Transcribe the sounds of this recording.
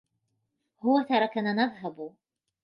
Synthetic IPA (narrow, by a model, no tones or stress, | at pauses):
hʊwat̪ɑɾˤɑkanaːnaðˤɦab